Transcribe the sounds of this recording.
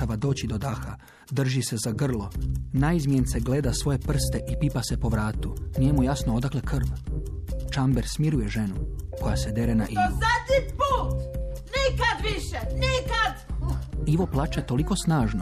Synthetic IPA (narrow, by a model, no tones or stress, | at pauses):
aʋad̪o̞ːt͡ɕid̪o̞d̪axa | d̪r̩ʒise̞zaɡr̩lˠo̞naizmijent̪se̞ɡle̞ːd̪asʋo̞je̞pr̩st̪e̞ʔipipase̞po̞ʋɾaːt̪unije̞mujasnood̪akle̞kr̩ʋ | t͡ʃambeɾsmiɾuje̞ʒe̞nuko̞jase̞d̪e̞ɾenaʔizat̪ipuːt̪nikad̪ʋiʃenikad̪ | iʋo̞plˠaːt͡ʃat̪o̞liko̞snaːʒno